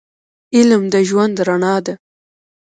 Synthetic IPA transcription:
ɪlmd̪əʒwand̪ɾaɳɑd̪a

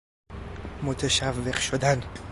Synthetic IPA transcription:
mot̪ʰeʃævːeɢʃod̪æn

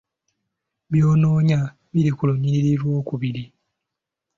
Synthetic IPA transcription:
βjoːnoːɲa | βiɾikuloɲiɾiɾiɾwo̞ːkuβiɾi

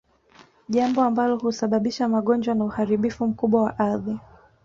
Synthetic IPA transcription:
ʄambɔambalɔhusaɓaɓiʃamaɠɔnd͡ʒwanauhaɾiɓifum̩kuɓwawaʔaði

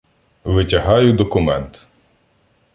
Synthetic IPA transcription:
ʋɪtʲɐɦɑjʊd̪ɔkʊmɛnt̪

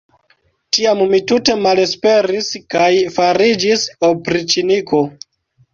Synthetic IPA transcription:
tiammitute̞male̞spe̞ɾiskajfaɾid͡ʒisopɾit͡ʃiniko

